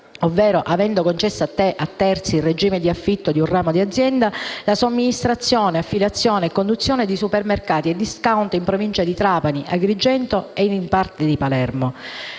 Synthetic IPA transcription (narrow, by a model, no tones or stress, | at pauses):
ovːɛːɾoʔavɛnd̪okont͡ʃɛsːaat̪ːeʔat̪ːɛrt̪silred͡ʒiːmed̪iafːit̪ːod̪iunraːmod̪iad̪zːjɛnd̪alasomːinist̪ɾat̪sːjoːneafːilat̪sːjoːneːkːond̪ut̪sːjoːned̪isupermerkaːt̪ied̪ːiskawnt̪oimpɾovint͡ʃad̪it̪ɾaːpaniʔaɡɾid͡ʒːɛnt̪oeinimpart̪ed̪ipalɛrmo